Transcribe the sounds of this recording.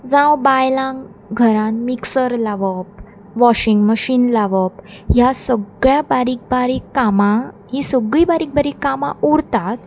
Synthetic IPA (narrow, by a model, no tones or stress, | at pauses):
d͡zãwbajlãŋɡ | ɡʱəɾãnmiksəɾlaʋəp̚ | ʋɔɕiŋɡməɕiːnlaʋəp̚jasəɡɭjabaɾiːk̚baɾiːkːamãɦisəɡɭibaɾik̚baɾikːamãuɾt̪at̪̚